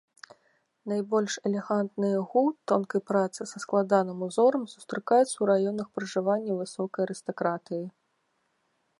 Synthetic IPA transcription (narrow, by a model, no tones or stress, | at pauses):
najbɔlʲʂɛlʲɛɣant̪nɨjɐɣut̪ɔnkɐjpɾat̪sɨsɐsklˠad̪anɨmuzɔɾɐmsu̥st̪ɾɨkajut̪sːɐwɾajɔnɐxpɾɨʐɨvanʲːɐvɨsɔkɐjɐɾɨst̪ɐkɾat̪ɨji